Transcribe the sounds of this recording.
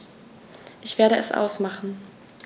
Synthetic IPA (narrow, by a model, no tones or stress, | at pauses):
ʔɪçv̥eːɐɾəʔɛsʔa̰ʊsmaχn̩